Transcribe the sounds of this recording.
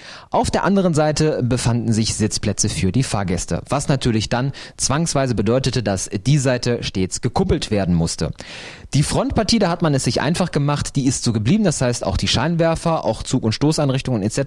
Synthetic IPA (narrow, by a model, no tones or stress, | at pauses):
ʔaʊfd̥eːɐʔandəʁ̞ənzaɪtʰəbəfandn̩zɪçz̥ɪt͡spl̥ɛt͡səfyːɐdiːfa̰ːɐɡɛstə̰vasnatʰyːɐlɪçd̥ant͡sv̥aŋsv̥aɪzəbədɔʏtətədasd̥iːzaɪtʰəʃteːt͡sɡ̥əkʰʊpl̩tv̥eːɐdn̩mʊstə̰ | d̥iːfʁ̥ɔntpʰaɐtʰiːdaːhatmanɛsz̥ɪçʔa̰ɪnfaχɡ̥əmaχtd̥iːɪstz̥oːɡəbliːbm̩dashaɪsta̰ʊxd̥iːʃaɪnvɛɐfɐʔa̰ʊxt͡suːkʊntʃtoːsaɪnʁɪçtʊŋənɛtt͡sɛt